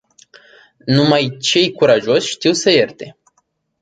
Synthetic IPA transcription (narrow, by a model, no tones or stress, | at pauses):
numajt͡ʃe̞jkuɾaʒo̞sʲʃt̪iwsəje̞rt̪e̞